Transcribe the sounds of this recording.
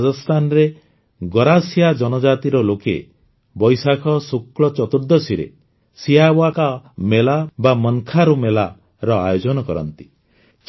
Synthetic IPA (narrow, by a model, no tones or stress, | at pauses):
d͡ʒɔst̪ʰanɔɾe | ɡɔɾasijad͡ʒɔnɔd͡ʒat̪iɾɔlokḛ | bɔjsakʰɔsukɭɔt͡ʃɔt̪uɾd̪ɔsiɾḛ | siabwakamelabamɔnkʰaɾumela | ɾɔa̰jod͡ʒɔnɔkɔɾɔ̰nt̪i̥ | t͡ʃ